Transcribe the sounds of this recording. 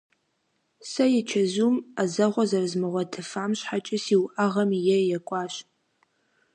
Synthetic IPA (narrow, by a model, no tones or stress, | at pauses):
sɐjɛt͡ʃʰɐzumazɐʁʷɔzɐrzmɨʁʷɔtʰɨfaːmɕħat͡ʃʼɪsiːwʔaʁɐmjɛjɛkʷʼɑːɕ